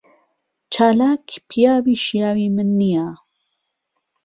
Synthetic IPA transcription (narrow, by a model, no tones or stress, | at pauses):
t͡ʃʰaːlaːkʰpʰijaːbiːʃijaːwiːmɨnːija